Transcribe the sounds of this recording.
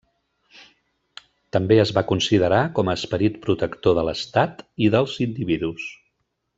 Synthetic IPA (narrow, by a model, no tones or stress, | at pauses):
t̪əmbeəzβakunsiðəɾakɔməːspəɾit̪̚pɾut̪əkt̪oðələst̪at̪iðəlˠzind̪iβiðus